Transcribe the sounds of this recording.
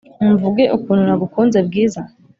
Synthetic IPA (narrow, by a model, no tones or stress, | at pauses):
uɱvuɡe̞ʔukuːn̤unaɡukunzebɡiːza